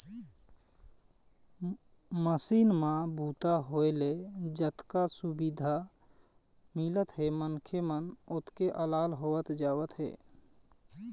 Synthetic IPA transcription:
məsiːnmãbʱuːt̪aɦoeled͡ʒət̪kasʊbid̪ʱa | mɪlət̪ɦeːmənkʰemənʊt̪keʔəlaːlɦoːət̪d͡ʒaːwət̪ɦḛː

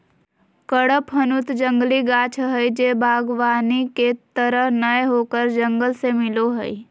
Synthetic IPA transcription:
kəɽəpɦənut̪d͡ʒə̃ŋɡliɡaːt͡ʃʰɦəjd͡ʒeːbʱaːɡʋaːniket̪əɾəɦnəjɦoːkəɾd͡ʒə̃ŋɡəlsemɪloɦəi

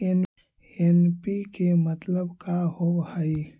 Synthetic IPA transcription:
en | enpikemət̪ləbkaɦobhəi

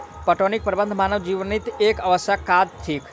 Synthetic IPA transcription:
pəʈonik̚pɾəbənd̪ʱmanəʋd͡ʒiʋnit̪ekəʋəsakad̪̚t̪ʰik

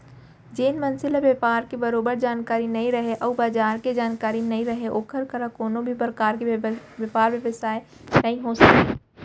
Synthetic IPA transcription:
d͡ʒeːnmɐnsɪleʋjɐpaːɾkebɐɾoːbəɾd͡ʒaːnkaːɾinɐɦĩɾɐɦeʔɐːbaːd͡ʒaːɾked͡ʒaːnkaːɾinɐɦĩɾɐɦeʔoːkʰəɾkʰɐɾãkoːnõbʱipɾəkaːɾkeʋjɐpaːɾʋjeʋəsaːe | nɐɦĩɦosɐke

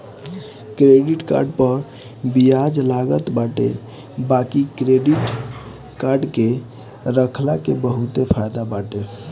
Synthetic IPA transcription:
kɾeɖiʈka̰ɾɖpəɾ | biad͡ʒlaɡət̪baʈḛ | bakikɾeɖiʈ | kaɾɖke | ɾəkʰlakebəɦut̪epʰajd̪abaʈe

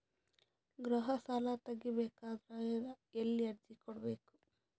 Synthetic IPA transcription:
ɡɾɐɦɐsaːlat̪ɐɡːibeːkaːd̪ɾɐ | elːiɐɾd͡ʒikɔɽɐbeːku̥

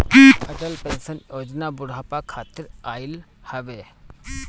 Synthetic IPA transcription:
kiːt̪əʈəlpɛ̃nsənjoːd͡ʒnabʊɽ̤aːpakʰaːt̪ɪɾaːɪl | həʋeː

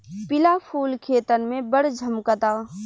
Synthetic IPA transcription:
pɪlapʰuːlkʰeːt̪ənmẽbəɽd͡ʒʱɐmkət̪aː

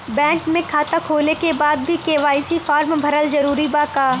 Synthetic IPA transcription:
bɛ̃ːŋkmẽkʰaːt̪akʰoːlekebaːd̪bʱikeːʋaːisifaːɾmbʱɐɾəlzɐɾuːɾibaːkaː

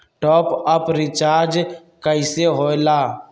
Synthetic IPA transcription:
ʈɔːpəpɾɪt͡ʃaːɾd͡ʒ | kəɪseɦoːjlaː

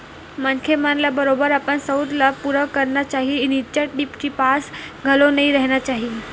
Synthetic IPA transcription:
mənkʰemanlabəɾobəɾapəɳsəud̪lapuɾəkəɾnat͡ɕaɦinit͡ɕəʈɖipt͡ɕipasɡʱəlonəiɾəɦnjat͡ɕaɦi

